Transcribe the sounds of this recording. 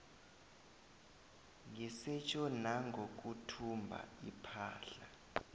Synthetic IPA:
ŋʱisɛt͡ʃʰʼɔnaŋɡʱok̬ʼutʰumbʱa̰ipʰa̰ːɬa

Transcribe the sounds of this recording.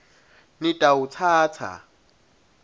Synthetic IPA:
nitʼaut͡sʰaːt͡sʰa̰

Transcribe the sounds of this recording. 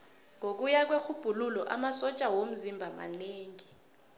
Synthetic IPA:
ŋʱok̬ujak̬wexʰub̥ʱululɔ̰ʔamasɔt͡ʃʼawom̩zimbʱama̰neːŋi

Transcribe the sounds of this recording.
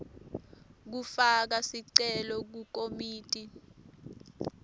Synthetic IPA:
k̬ufak̬asiǀɛlɔk̬uk̬omiːtʼi

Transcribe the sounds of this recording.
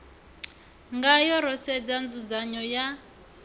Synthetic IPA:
ŋɡajɔɾɔsɛd͡zand͡zud͡zaɲɔja

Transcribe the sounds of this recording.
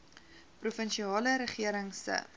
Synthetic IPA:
prufənʃiɑːləɾəχiəɾəŋsə̰

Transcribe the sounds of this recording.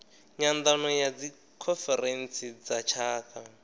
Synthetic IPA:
ɲand̪anɔjad͡zi | kʰɔfɛɾɛnsid͡zat͡ʃʰaːka

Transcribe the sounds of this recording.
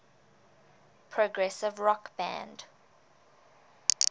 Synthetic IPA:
pʰɹ̥oɡɹɛsɪvɹɔkb̥æ̰̃nd̥

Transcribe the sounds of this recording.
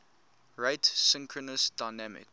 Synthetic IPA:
ɹeɪtsɪ̃ŋkʰɹənəsd̥aɪnæmɪ̰k

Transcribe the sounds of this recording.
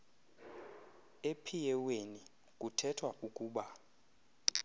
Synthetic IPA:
epʰijɛweni | k̬ʼutʰɛtʰwaʔukʼuːɓa

